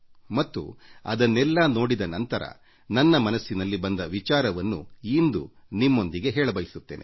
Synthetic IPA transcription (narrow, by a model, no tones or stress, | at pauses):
mɐt̪ːṵɐ̰d̪ɐnːɛlːaːno̞ːɽid̪ɐnɐnt̪ɐɾɐ̰ | nɐnːɐmɐnɐsːinɐlːibɐnd̪ɐʋit͡ʃaːɾɐʋɐnːuind̪u | nimːo̞nd̪iɡe̞ɦɛːɭɐbɐjisut̪ːe̞̰ːnḛ